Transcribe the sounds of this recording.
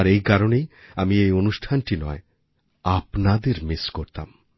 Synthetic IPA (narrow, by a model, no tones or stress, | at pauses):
aɾejkaɾonejamiejonuʃʈʰanʈinɔe | apnad̪eɾmiskoɾt̪a̰m